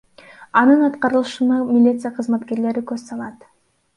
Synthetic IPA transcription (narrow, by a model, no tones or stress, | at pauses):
ɑnɯnɑt̪qɑɾɯlˠɯʃɯnɑmʲɪlʲit̪sɨjaqʰɯzmɑt̪ke̞ɾle̞ɾikɵz̥sɑlˠɑt̪